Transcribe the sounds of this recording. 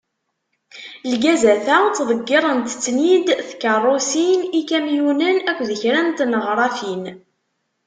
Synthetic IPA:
lɡæzæθæt͡sːðˤəɡːɪɾˤənt̪t͡sːnid̪θkərˤːosinikæmjunənækʷːðəçɾænt̪nəʁɾˤɑfin

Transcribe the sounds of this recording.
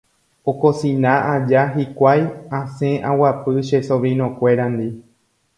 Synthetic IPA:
o̞ko̞sĩnãʔad͡ʒaɦikʷajãsẽʔãwapɨʃeso̞ʋɾĩnõkʷe̞ɾand̪i

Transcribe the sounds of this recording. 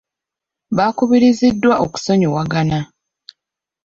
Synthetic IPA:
βaːkuβiɾizidːwaʔoku̥so̞ɲowaɡana

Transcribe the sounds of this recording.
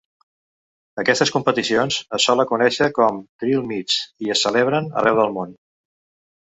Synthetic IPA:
əkɛst̪əskumpət̪isionzəsːɔləkunɛʃəkɔmt̪ɾilˠmit͡siəsəleβ̞ɾənə̰rʔɛwðəlˠmon

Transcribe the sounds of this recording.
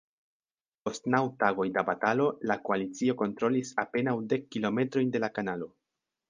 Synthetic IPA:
po̞stnawtaɡo̞jdabatalo̞lako̞alit͡sio̞ko̞ntɾo̞lisape̞nawde̞kːilo̞me̞tɾo̞jnde̞lakanalo̞

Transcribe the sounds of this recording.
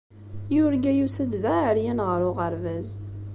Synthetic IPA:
jʊɾɡæjusəd̪ðæəɾjænʁəɾʊʁəɾvæz

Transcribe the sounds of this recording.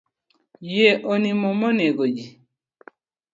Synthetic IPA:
jeʔonimɔmɔneɡod͡ʒi

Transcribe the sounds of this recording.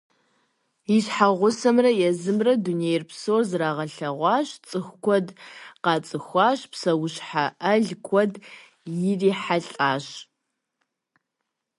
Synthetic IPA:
iɕħaʁʷʊsɐmrɐjɛzɨmrɐdunejrpsoːrzraːʁɐɬɐʁʷɑːɕt͡sʼɨxʷkʷʰɔdqɑːt͡sʼɨxʷɑːɕpsɐwʊɕħaʔɐɮkʷʰɔd | jɪriːħaɬʼaːɕ

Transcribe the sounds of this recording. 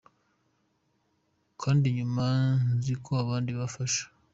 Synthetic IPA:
kʰaːndiɲumanzikʰoaβaːndiβafaʃḁ

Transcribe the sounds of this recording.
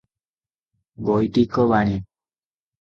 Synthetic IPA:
ɡojʈikɔbani

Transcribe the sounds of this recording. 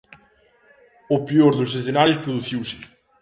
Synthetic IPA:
opeoɾðʊs̬esθenaɾjospɾoðuθiwsɪ̥

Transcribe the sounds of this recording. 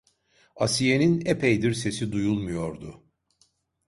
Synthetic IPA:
asije̞ninepʰejd̪iɾse̞sid̪ujulˠmujo̞ɾd̪ʊ

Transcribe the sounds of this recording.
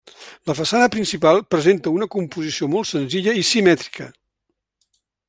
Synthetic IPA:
ləfəsanəpɾinsipalˠpɾəzent̪əunəkumpuzisiomɔlˠt̪sənziʎəisimɛt̪ɾi̥kə

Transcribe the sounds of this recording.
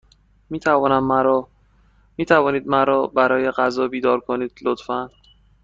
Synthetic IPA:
miːt̪ʰævɒːnæmːɾ | miːt̪ʰævɒːniːd̪mæɾɒːbæɾɒːje̞ɢæzɒːbiːd̪ɒːɾkʰoniːd̪̥lot̪fæn

